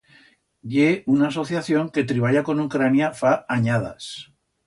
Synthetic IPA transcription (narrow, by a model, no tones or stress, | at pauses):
ʝeunaːso̞θjaθjo̞ŋke̞t̪ɾiβ̞aʎako̞nukɾanjafaaɲað̞a̰s